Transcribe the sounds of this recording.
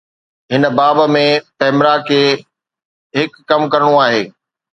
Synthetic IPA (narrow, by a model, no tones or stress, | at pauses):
ɦɪnə̆baːbmẽpɛɦɪmɾakʰeː | ɦɪkːɐmkɐɾəɽ̃oaːɦeː